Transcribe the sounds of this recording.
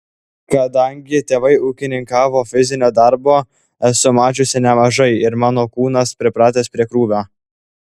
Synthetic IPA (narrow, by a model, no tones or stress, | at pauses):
kɐd̪ɐˑŋʲɡʲɪt̪ʲeːʋɐɪuːkʲɪnʲɪŋkɑːʋoːfʲɪzʲɪnʲoːd̪ɐɾboː | sʊmɑːt͡ʃʲʊsʲɪnʲɛmɐʒɐɪɪɾmɑːnoːkuːnɐspʲɾʲɪpɾɑːt̪ʲeːspʲɾʲiɛkɾuːbʲoː